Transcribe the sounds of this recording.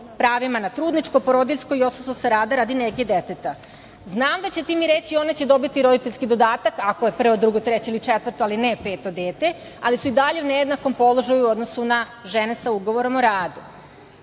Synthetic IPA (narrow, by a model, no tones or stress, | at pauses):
pɾaːʋimanat̪ɾuːd̪nit͡ʃkopo̞ɾod̪iʎʲsko̞io̞sososaɾaːd̪aɾaːd̪ineɡjed̪et̪et̪a | znaːmd̪at͡ɕe̞t̪iːmiɾe̞t͡ɕio̞net͡ɕed̪o̞bit̪iɾo̞d̪it̪eʎʲskid̪o̞d̪aːt̪akakojepr̩ʋo̞d̪ɾuɡot̪ɾet͡ɕeilit͡ʃet̪ʋər̩t̪oalinɛpe̞ːt̪od̪eːt̪e̞ | alisuid̪aʎe̞unejed̪nako̞mpo̞lˠo̞ʒajuuo̞d̪nosuna | ʒene̞sauɡo̞ʋo̞ɾo̞moɾaːd̪u